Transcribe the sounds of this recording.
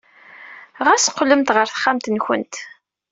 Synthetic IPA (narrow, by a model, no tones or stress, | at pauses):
ʁæsqːləmt̪ʁəɾθə̥χːamt̪nçə̰nt̪